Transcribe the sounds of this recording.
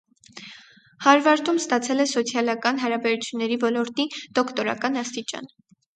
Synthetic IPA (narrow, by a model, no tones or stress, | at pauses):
hɑɾvɑɾt̪umst̪ɑt͡sʰɛlɛsɔt͡sʰjɑlɑkɑnɦɑɾɑbɛɾut͡sʰjunːɛɾivɔlɔɾt̪id̪̥ɔkʰt̪ɔɾɑ̰kɑnɑst̪it͡ʃɑ̰n